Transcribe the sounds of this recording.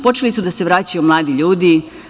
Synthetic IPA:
pot͡ʃelisud̪ase̞ʋɾaːt͡ɕajumlˠaːd̪iʎuːd̪i

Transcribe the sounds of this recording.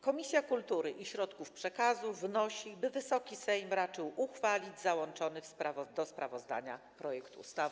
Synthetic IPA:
kɔmʲisʲjakult̪uɾɘʔiɕɾɔt̪kufpʂɛkazuvnɔɕibɘvɘsɔkʲisɛjmɾat͡ʂɘwʔuxfalʲid͡ʑzawɔnt͡ʂɔnɘfspɾavɔd̪ɔspɾavɔzd̪a̰ɲa̰ | pɾɔjɛkt̪uṵst̪av

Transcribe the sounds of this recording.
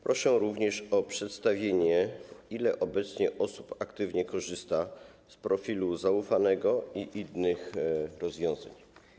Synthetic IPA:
pɾʔɔʂɛɾuvɲɛʂɔpʂɛt̪st̪avʲjeɲɛilɛʔɔbɛt̪sɲɛʔɔsu̥pakt̪ɘvɲɛkɔʐɘst̪a | spɾɔfʲiluzaufanɛɡɔiʔinːɘxɾɔzvʲjɔ̃w̃za̰ɲ

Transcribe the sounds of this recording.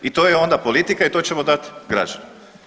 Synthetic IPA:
it̪o̞jeo̞nd̪apo̞lit̪ikait̪o̞t͡ɕemod̪at̪ɡɾa̰d͡ʒane

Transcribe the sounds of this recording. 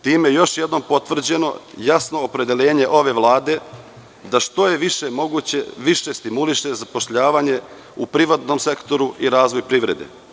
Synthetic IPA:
t̪iːmjejo̞ʃjed̪no̞mpo̞t̪ʋr̩d͡ʑe̞no̞̰jasno̞ːpɾe̞d̪elʲe̞ːɲe̞ʔo̞ʋe̞ʋlˠaːd̪e̞ | d̪aʃt̪o̞je̞ʋiʃemo̞ɡuːt͡ɕeʋiʃe̞st̪imuliʃe̞zapo̞ʃʎaːʋaːɲe̞ | upɾiʋat̪no̞mse̞kt̪o̞ɾuʔiɾaːzʋo̞jpɾiʋɾe̞d̪ḛ

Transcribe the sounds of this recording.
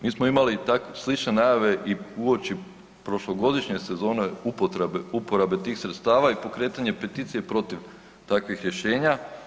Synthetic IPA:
miːsmoimalit̪akeslit͡ʃne̞najaʋe̞ʔiuo̞t͡ʃi | pɾo̞ʃloɡo̞d̪iʃɲe̞se̞zo̞ːne̞upot̪ɾebupo̞ɾabe̞t̪iːxsɾet̪st̪aːʋaipo̞kɾe̞ːt̪aɲe̞pe̞t̪iːt̪sije̞pɾo̞t̪iʋ | t̪akʋixɾje̞ʃe̞ːɲa

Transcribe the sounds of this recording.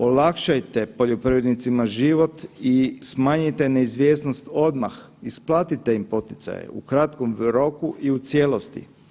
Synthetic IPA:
o̞lakʃajt̪e̞po̞ʎopɾiʋed̪nit̪simaʒiʋo̞t̪ismaːɲit̪e̞ne̞izʋjesnost̪o̞d̪ma̰x | isplˠaːt̪it̪e̞impo̞t̪i̥t̪sa̰jḛukɾat̪ko̞mɾo̞kuʔiut̪sjelo̞st̪ḭ

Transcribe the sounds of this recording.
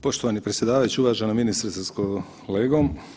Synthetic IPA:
poʃt̪oʋaːnipɾesʲje̞d̪aːʋajut͡ɕiuʋaːʒenaminist̪ɾesasko | leːɡom

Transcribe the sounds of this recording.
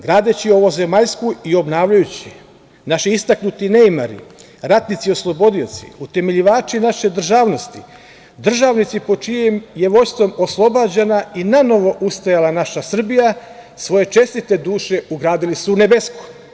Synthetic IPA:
ɡɾaːd̪et͡ɕio̞ʋo̞zemaʎskuio̞bnaːʋʎajut͡ɕi | naʃiist̪aknut̪inejmaɾḭ | ɾat̪nit̪sio̞slˠo̞bo̞d̪io̞̰t̪sḭut̪e̞me̞ʎiʋaːt͡ʃinaʃe̞d̪r̩ʒaːʋno̞st̪i | d̪r̩ʒaːʋnit̪sipo̞t͡ʃijemjeʋo̞jst̪ʋo̞mo̞slˠo̞baːd͡ʑenainano̞ʋo̞ʔust̪ajalanaʃasr̩bija | sʋo̞je̞t͡ʃe̞st̪it̪e̞d̪uːʃe̞uɡɾaːd̪ilisuune̞besku̥

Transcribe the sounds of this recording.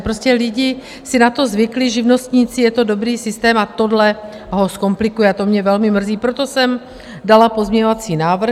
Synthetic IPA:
pɾoscɛlɪɟɪ | sɪnat̪o̞zvɪklɪʒɪvno̞st̪ɲiːt͡sɪjɛt̪o̞do̞bɾiːsɪst̪ɛːmat̪o̞dlɛ | ɦo̞sko̞mplɪkujɛat̪o̞mɲɛvɛlmɪmr̩ziːpɾot̪o̞sɛm | dalapo̞zmɲɛɲo̞vat͡siːnaːvr̩

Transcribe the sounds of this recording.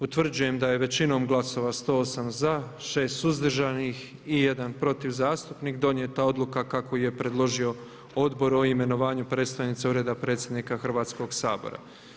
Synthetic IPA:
ut̪ʋr̩d͡ʑuje̞md̪aje̞ʋe̞t͡ɕino̞ːmɡlˠaso̞ʋast̪o̞ːosamzaʃe̞ːst̪uzd̪r̩ʒanix | ije̞d̪anpɾo̞t̪iʋzaːst̪upniːkd̪o̞nje̞t̪ao̞d̪lˠukakakojijepɾe̞d̪lˠo̞ʒio̞ | o̞d̪bo̞ɾo̞ime̞no̞ʋaːɲupɾe̞ːt̪st̪anit̪seuɾed̪apɾe̞t̪sʲje̞d̪nikaxrʋaːt̪sko̞ɡsaːbo̞̰ɾa̰

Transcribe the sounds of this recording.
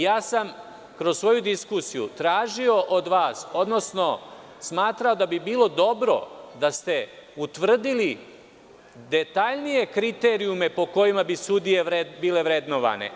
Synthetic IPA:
jaːsam | kɾozsʋo̞jud̪iskusijṵt̪ɾaːʒio̞ʔod̪ʋaːso̞d̪no̞sno̞ | smaːt̪ɾaod̪abibiːlˠo̞d̪o̞bɾo̞̰d̪ast̪e̞ut̪ʋr̩d̪ili | d̪et̪aʎnije̞kɾit̪eːɾijume̞po̞ko̞jimabisud̪ije̞ebiːle̞ʋɾe̞d̪noʋa̰nḛ

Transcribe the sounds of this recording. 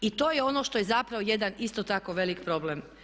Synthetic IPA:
it̪o̞ːjeo̞no̞ʃt̪o̞jezapɾaʋoje̞d̪anist̪o̞t̪ako̞ʋe̞likpɾo̞blem

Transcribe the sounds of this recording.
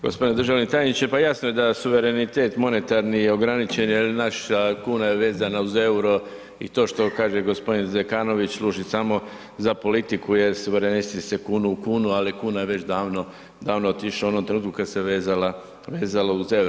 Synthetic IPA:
ɡospd̪ined̪ɾrʒaʋit̪ajenit͡ʃepajasnoje̞d̪asuʋe̞ɾe̞nit̪e̞ːt̪mo̞ne̞t̪aɾnijeoɡɾanit͡ʃenelnaʃakuːnajeʋe̞ːzanauze̞uɾo̞ | ḭt̪o̞ːʃt̪o̞kaːʒe̞ɡo̞spo̞d̪inzekaːno̞ʋit͡ɕsluːʒisamo̞ | zapo̞lit̪ikuje̞ɾsuʋe̞ɾenisekuːnukuːnualikuːnajeʋe̞t͡ɕd̪aːʋno | d̪aːʋnoot̪iʃoonomt̪ɾenuːt̪kukad̪seʋeːzala | ʋeːzalouze̞wɾo

